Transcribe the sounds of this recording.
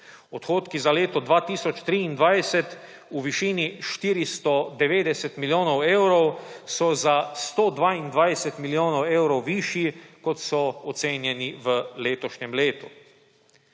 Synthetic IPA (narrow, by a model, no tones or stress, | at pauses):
ɔt̪xoːt̪kizaleːt̪ɔd̪ʋaːt̪iːsɔt͡ʃt̪ɾiːnd̪ʋajsɛt̪ | uʋiʃiːniʃt̪iːɾist̪ɔd̪ɛʋeːd̪ɛsɛt̪miljoːnɔwewɾɔwsɔzast̪oːd̪ʋaind̪ʋajsɛt̪miljoːnɔweːwɾɔwʋiːʃjikɔt̪sɔɔt̪seːnjɛniʋəleːt̪ɔʃɲɛmleːt̪u